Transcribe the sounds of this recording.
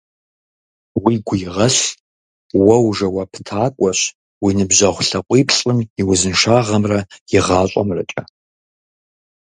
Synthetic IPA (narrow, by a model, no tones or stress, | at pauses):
wiɡʷʊjɪʁɐɬ | wɐwʐɐwɐpʰtʰaːkʷʼɔɕ | winɨbʑɐʁʷɬɐqʷʼiːpʰɬʼɨmiwʊzɨnʂaːʁɐmrɐjɪʁaːɕʷʼɐ̰mrɐt͡ʃʼɐ